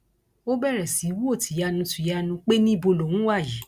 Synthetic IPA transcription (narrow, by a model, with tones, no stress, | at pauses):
o˦bɛ˦˨ɾɛ˨si˨˦wu˦o˦˨tʰi˨ja˧nũ˧tu˨ja˧nũ˧k͡pe˦nĩ˦i˦˨bo˧lo˨wũ˨˦wa˦˨ji˨˦